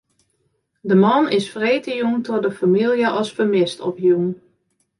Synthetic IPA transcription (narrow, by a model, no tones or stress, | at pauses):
dəmɑnɪsfreːtəjuŋtɔdəfamilˠjəʔɑsfəmɪstɔpjun